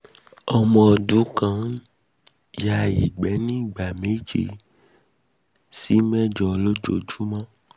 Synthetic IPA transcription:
ɔ˧mɔ̃˧ɔ˨dũ˨˦kã˦ | ja˧jḭ˨ɡ͡bɛ˨˦nĩ˦i˦˨ɡ͡ba˨me˨˦d͡ʒe˧ | si˨˦mɛ̃˦˨d͡ʒɔ˧lo˦d͡ʒo˧˨d͡ʒu˦mã˦

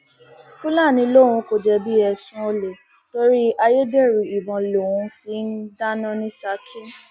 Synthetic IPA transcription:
fũ˦laː˦˨nĩ˧lo˦˨w̃ũ˧ko˨d͡ʒɛ˧bi˦ɛ˧sũ˦o˧le˨ | to˧ɾi˦a˧je˦de˦˨ɾu˨i˨bɔ̃˨lo˨wũ˧fi˦n̩˦da˦nã˦nĩ˦sa˧˦kʰe˦

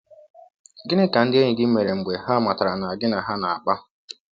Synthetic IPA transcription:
ɡɪ˦nɪ˦ka˨n̩˦dɪ˦e˦ɲɪ˨ɡɪ˦m̩˦me˨ɾe˨ŋ͡m̩˨ɡ͡be˨ɦa˦ma˨ta˨ɾa˨na˨ɡɪ˦na˨ɦa˦na˨a˨k͡pa˦

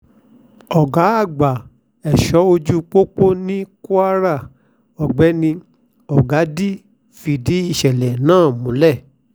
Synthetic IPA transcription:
ɔ˨ɡa˨˦a˦˨ɡ͡ba˨ | ɛ˨ʃɔ˨˦o˧d͡ʒu˧k͡po˦k͡po˦nĩ˦ku˦a˦ɾa˦˨ | ɔ˨ɡ͡bɛ˨˦nĩ˧ | ɔ˨ɡa˨˦di˦ | fi˧di˨˦i˦˨ʃɛ˨lɛ˨nãː˦˨mũ˨˦lɛ˦˨

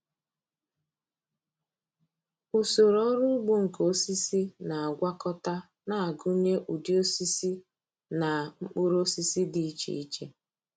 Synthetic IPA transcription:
u˨so˨ɾɔ˦ɾʊ˦ɡ͡bu˦ŋ̩˨ko˦si˦si˦na˨a˨ɡʷa˦kɔ˦ta˦ | na˦˨a˨ɡʊ˦ɲe˦ʔu˨di˦o˦si˦si˦ | na˨ŋ͡m̩˦k͡pʊ˦ɾo˦si˦si˦di˨i˦t͡ʃḛ˨i˦t͡ʃe˦

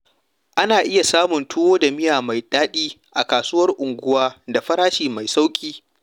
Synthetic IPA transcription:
ʔa˦naː˨ʔɪ˦ja˨saː˦mʊ˨ntʊ˦woː˦da˨mɪ˦jaː˨ma˨jɗaː˦ɗiː˦ʔa˨kaː˨sʊː˦wɐ˦rʔʊ˨ŋɡʷʊ˦waː˦da˨ɸɐ˦ɾaː˦ʃiː˨ma˨jsa˦wkʲʼiː˦

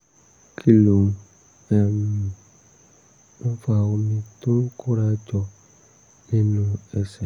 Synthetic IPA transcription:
kʰi˨lo˨m˨ | ɛ˨m˨ | n̩˦fa˨wo˨mĩ˦tõ˦ŋ˦ku˦ɾa˦d͡ʒɔ˨ | ne˦nũ˦ɛ˨sɛ˨

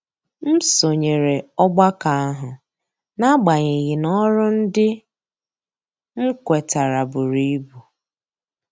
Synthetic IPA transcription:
m̩˦so˨ɲe˨ɾe˨ɔ˦ɡ͡ba˦ka˨a˦ɦʊ˨ | na˦ɡ͡ba˨ɲe˨ɣi˨nɔ˦ɾʊ˦n̩˦dɪ˦ | ŋ̩˦kʷe˨ta˨ɾa˨bʊ˨ɾi˦i˦bu˨

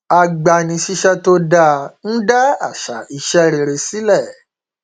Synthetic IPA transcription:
a˧ɡ͡ba˨nĩ˧ʃi˧ʃɛ˦to˦da˦˨n̩˦da˦a̰˦˨ʃa̰˨i˨ʃɛ˦˧ɾe˧ɾe˧si˦lɛ˦˨

